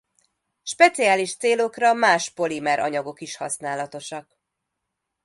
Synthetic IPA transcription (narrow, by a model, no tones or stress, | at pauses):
ʃpɛt̪siaːliʃt̪seːlo̞krɒmaːʃpo̞limɛɾʔɒ̰ɲɒɡo̞kiʃhɒsnaːlɒt̪o̞ʃɒk